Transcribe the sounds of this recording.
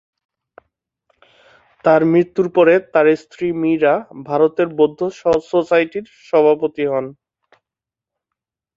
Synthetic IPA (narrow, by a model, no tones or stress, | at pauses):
t̪aɾmɾit̪ːuɾpɔɾet̪aɾest̪ʰɾimiɾabʱaɾot̪eɾbod̪ʱːososajʈiɾ | ʃɔbʱapot̪iɦɔn